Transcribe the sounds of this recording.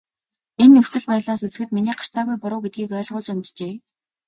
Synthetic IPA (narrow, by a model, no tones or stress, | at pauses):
enːɵw̥t͡sɘ̆ɮpæj̆ɮaːsɵt͡sɘ̆xɘ̆t̪miniːɢḁr̥t͡saːɣujpʊɾʊːɡet̪̚ɡiːkœːɮʁʊːɮt͡ɕamʲt͡ɕeː